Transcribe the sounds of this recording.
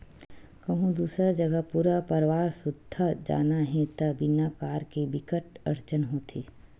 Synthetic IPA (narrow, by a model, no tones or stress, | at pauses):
kɐɦũd̪uːsɾad͡ʒɐɡəpuːɾapɐɾʋaːɾsʊd̪ʱːad͡ʒa̰ːnaɦɛ̃t̪ɐbɪnakaːɾkibɪkəʈɐɾt͡ʃənɦoːt̪ʰiː